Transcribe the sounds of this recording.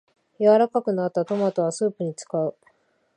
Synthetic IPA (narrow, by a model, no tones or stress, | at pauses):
jaβaɾakakɯ̟nat̪ːat̪o̞mat̪o̞βasɨːpɯ̟ɲ̟it͡sɨ̥kaɯ̟